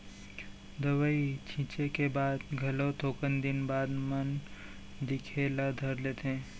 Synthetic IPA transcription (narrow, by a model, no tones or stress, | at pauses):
d̪əʋəit͡ʃʰĩːt͡ʃekebaːd̪ɡʱɐlot̪ʰoːkənd̪ɪnbaːd̪mən | d̪ɪkʰelad̪ʱəɾlet̪ẽː